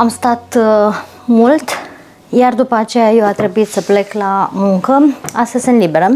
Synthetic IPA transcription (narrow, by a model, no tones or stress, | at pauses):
amst̪at̪ | mult̪ | jard̪upəat͡ʃe̞jajewat̪ɾe̞buit̪səple̞klamuŋkəast̪əzʲsɨnlibe̞ɾə